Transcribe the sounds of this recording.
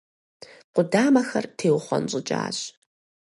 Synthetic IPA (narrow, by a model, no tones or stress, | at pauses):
qʷʊdaːmɐxɐrtʰeːwχʷɔ̰nɕʼɪt͡ʃʼa̰ːɕ